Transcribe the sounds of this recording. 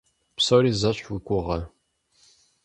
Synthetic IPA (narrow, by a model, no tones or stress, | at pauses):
psoɾiːzɐɕʷwikʷʼʊʁɐ